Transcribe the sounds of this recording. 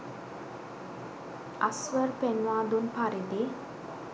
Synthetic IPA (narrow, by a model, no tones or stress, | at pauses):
a̰sʋəɾpɛnwãd̪unpaɾed̪e